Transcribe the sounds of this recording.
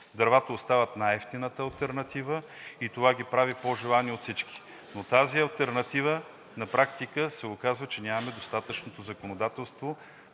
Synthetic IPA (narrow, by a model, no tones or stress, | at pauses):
d̪ɐɾvat̪əost̪avət̪naɛft̪inət̪əɐlˠt̪ɛɾnɐt̪ivə | it̪ovaɡʲipɾavipoʒɛlˠaniot̪sit͡ʃki̥ | not̪aziɐlˠt̪ɛɾnɐt̪ivə | nɐpɾakt̪ikəsɛokazvət͡ʃɛnʲamɐmɛd̪ost̪at̪ət͡ʃnot̪ozɐkonod̪at̪ɛlˠst̪vo